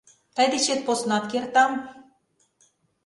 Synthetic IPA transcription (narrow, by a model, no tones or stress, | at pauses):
t̪ɑjd̪et͡ɕet̪̚posnɑt̪kert̪ɑm